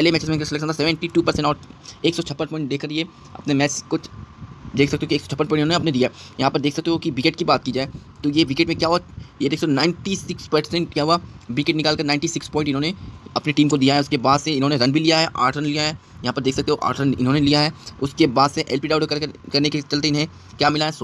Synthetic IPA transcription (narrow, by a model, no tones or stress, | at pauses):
pɛːlemɛːt͡ʃesmɛ̃ːnkaselɛkʃə̃nt̪ʰasɛʋɛ̃ɳʈiʈuːpɐɾsɛ̃ɳʈɔːɾeːksɔt͡ʃʰɐpːə̃npɔ̃ːɪ̃ɳʈ̚d̪eːkəɾie | ɐ̰pnemɛːt͡ʃko | d̪eːkʰsɐkt̪eɦokieːksɔt͡ʃʰɐpːənpɔ̃ːɪ̃ʈɪnɦõːneɐpned̪ijaɛjɐɦãːpɐɾd̪eːkʰsɐk̚t̪eɦokiʋɪkeʈkibaːt̪̚kiːd͡ʒaːe | t̪ojeʋɪkeʈmẽkjaːɦuajed̪eːkst̪ːnãːɪ̃ɳʈisɪkspɐɾsɛ̃ɳʈkjaːɦʊaʋɪkeʈnɪkaːlkɐɾnãɪɳʈisɪkspɔ̃ːɪ̃ɳʈɪnɦõːneɐpneʈiːmkod̪ijaɦɛʊskebaːd̪seɪnɦõneɾɐnbʱilijaɦɛʔa̰ːɾʈəɾənlijaɦɛ | jɐɦãpɐɾd̪eːkʰsɐk̚t̪eɦoʔa̰ːɾʈəɾənɪ̰nɦõnelijaɦɛːʊskebaːd̪seʔɛlpiɖaːʊɖɐkɐɾneket͡ʃɐlt̪eɪnɦẽ | kjaːmɪlaɦɛso